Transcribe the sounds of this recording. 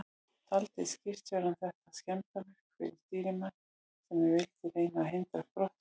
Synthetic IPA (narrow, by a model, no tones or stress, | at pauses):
t̪ʰalt̪ejscɪr̥t̪ɔɾanθɛht̪ascɛmt̪amʏr̥kfɪ̰ɾɪɾ̥st̪iːɾɪma | sɛmːɛvɪlt̪ɪrejnaɦejnt̪aspɾɔht̪